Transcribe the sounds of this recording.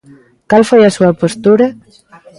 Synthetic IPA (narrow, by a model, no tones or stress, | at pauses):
kalfajasuapost̪uɾa